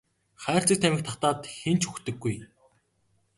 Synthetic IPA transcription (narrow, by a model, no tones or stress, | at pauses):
χæːr̥t͡sə̆k̚t̪ʰæmʲɪ̆k̚t̪ʰɔχt̪aːt̪xent͡ɕxɵxt̪ɘ̆ɡːuj